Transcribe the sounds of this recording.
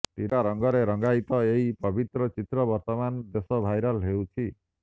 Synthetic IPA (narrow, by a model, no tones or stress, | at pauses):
t̪iɾaɾʌŋɡɔɾeɾʌŋɡajt̪ɔeɦipɔbʱit̪ɾɔt͡ʃit̪ɾɔbʌɾt̪ɔmand̪esɔbʱajɾalɦewt͡ʃʰi